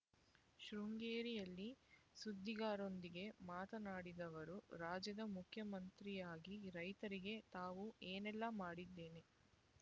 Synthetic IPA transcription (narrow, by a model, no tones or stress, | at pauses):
ʃɾuŋɡeːɾijɐlːisud̪ːiɡaːɾo̞nd̪iɡe̞maːt̪ɐnaːɽid̪ɐʋɐɾuɾaːd͡ʒjɐd̪ɐmukʰjɐmɐnt̪ɾijaːɡiɾɐjt̪ɐɾiɡe̞t̪aːʋueːnɛlːɐmaːɽid̪ːe̞ːne